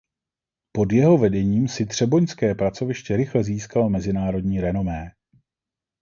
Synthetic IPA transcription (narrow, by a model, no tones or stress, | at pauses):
po̞djɛɦo̞vɛdɛɲiːmsɪd̪r̝̥ɛbo̞ɲskɛːpɾat͡so̞vɪʃcɛɾɪxlɛziːskalmɛzɪnaːɾo̞dɲiːɾɛno̞mɛː